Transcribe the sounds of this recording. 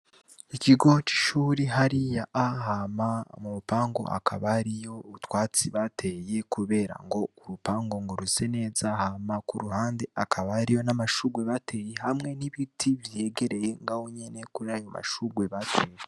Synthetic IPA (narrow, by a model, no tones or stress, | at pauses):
iciɡo̞t͡ʃi̥ʃuːɾiɦaɾijaʔːɦamamuɾupaːŋɡo̞̰ʔa̰kʰa̰βaɾijo̞utwaːt͡siβatʰe̞je̞kuβe̞ːɾa̰ŋɡo̞uɾupaːŋɡo̞ŋɡoɾuse̞ne̞ːzahamakuɾuhaːnde̞akʰaβaɾijo̞namaʃuɡwe̞βatʰe̞jehamŋe̞niβitʰivje̞ɡe̞ɾe̞je̞ŋɡahoɲe̞ne̞kuɾajo̞ma̰ʃuɡwe̞βatʰeːje